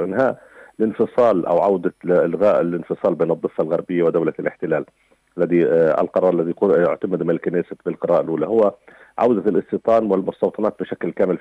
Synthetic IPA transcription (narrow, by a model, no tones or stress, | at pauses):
ʔɪnɦaːʔ | lɪnfɨsˤɑːlʔa̰wʕawd̪alɣaːʔlɪnfɨsˤɑːlbeːnɨd̪ˤːɨfːalɣaɾbɪjːawɪd̪awlalʔɪ̰ħt̪ɪlaːl | ʔalːaðia̰lqɑɾˤɑːɾˤalːaðiqjʊʕt̪amad̪mɪnɪlkaneːsabɪlqɨɾaɑːʔalʔuːlahʊwːa | ʕawd̪alʔɨst̪ɨt̪ˤɑːnwɪlmʊst̪ɑwt̪ˤɑnɑːt̪̚bɪʃaklkaːmɪl